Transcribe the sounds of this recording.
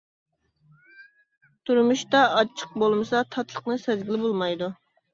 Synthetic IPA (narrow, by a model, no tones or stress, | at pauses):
t̪ʰuɾmuʃt̪ɑːt͡ʃʰːə̥q̚bolˠmɨsɑt̪ʰɑt̪lˠəqnɨsɛzɡʲilɪbolˠmɑjd̪u